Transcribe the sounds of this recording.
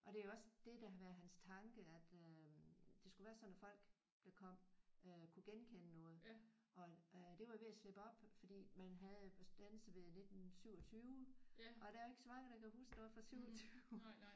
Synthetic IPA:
ʔɒ̽dɾe̝æoɒ̽sd̥e̝d̥æ̈ɦæʋæɐðɦænst͡sʰɑ̈ŋɡ̥əæd̥ød̥e̝sɡ̥uʋæːɐsɒ̽næfɒ̽l̰ɡ̥ | d̥ɑ̈kʰɒ̽m̰økʰuɡ̥enkʰenənɔ̽ːð̞̩ˠ | ʔɒ̽d̥e̝ʋɑ̈jo̝ʋe̝æsleb̥əɒ̽b̥fɒ̽d̥ḭːmænɦæð̩ˠd̥ænsəʋe̝ðˠne̝d̥n̩syʊ̰ɒ̽t͡sʰyː | ɒ̽d̥æoe̝ɡ̥əsɒ̽mɑ̈ŋəd̥ɑ̈kʰæhuːsɡ̥nɔ̽ːð̩ˠfʁɑsyʊɒt͡sʰy

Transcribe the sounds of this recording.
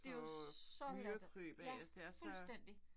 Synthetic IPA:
e̝joɒ̽dkʰʁø̰ːb̥æjæsd̥esfulsd̥en̰d̥i

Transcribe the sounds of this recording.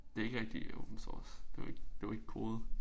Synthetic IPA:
d̥e̝e̝ɡ̥ʁɛɡ̥̚d̥io̰b̥m̩sɔ̰ːsd̥e̝ʋɑ̈eɡ̥d̥e̝ʋɑ̈e̝ɡ̥əkʰo̝ːð̞̩ˠ

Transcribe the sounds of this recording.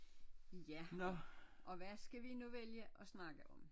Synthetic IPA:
jænɔʔɒ̽ʋæsɡ̥æʋinuʋeljəʔɒ̽snɑ̈ɡ̥əʔɒ̽m

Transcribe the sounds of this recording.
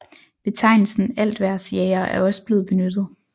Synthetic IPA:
b̥e̝t͡sʰɑ̈ɪnl̩sn̩æl̰d̥ʋæɐsjeɪɐʔæɐɒ̽səb̥le̝ːð̞̩ˠb̥e̝nød̥ð̞̩ˠ

